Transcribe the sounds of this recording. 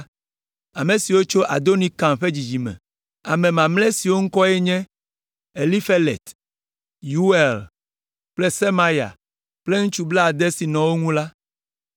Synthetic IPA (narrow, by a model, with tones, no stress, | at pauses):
a˨mẽ˨si˨wo˦t͡ʃo˦ʔa̰˨d̪o˦nĩ˦kã˨mɸe˦d͡ʑi˨d͡ʑi˨mɛ̰̃˨ | a˨mẽ˨mã˨mle˦si˨wo˦ŋ̩˦kɔ˦ɛ˦ɲɛ̃˦ | e˨li˦fe˦lḛ˨t̪ | ju˦e˨l | k͡ple˦se˦mã˦ja̰˨ | ple˦ŋũ˦t͡ʃu˦blɛ˦a˨d̪ɛ˦si˨nɔ̃˨wo˦ŋũ˦la˦